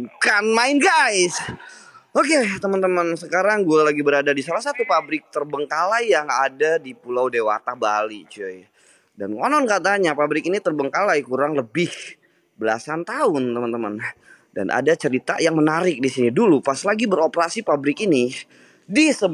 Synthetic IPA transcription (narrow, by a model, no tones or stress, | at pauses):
kanmaɪnɡajs | oket̪əmənt̪əmənsəkaɾaŋɡualaɡibəɾadadisalahsat̪upabɾɪk̚t̪ərbəŋkalajjaŋadadipulawdewa̰t̪ahbalit͡ʃuaja | dankɔnɔnkat̪̬aɲapabɾɪkinit̪ərbəŋkalajkuɾaŋləbɪh | bəla̰sant̪aʊnt̪əmənt̪əmən | da̰nʔa̰dat͡ʃəɾit̪ajaŋmənaɾɪk̚disinidulupaslaɡibəɾopəɾasipabɾɪkini | disə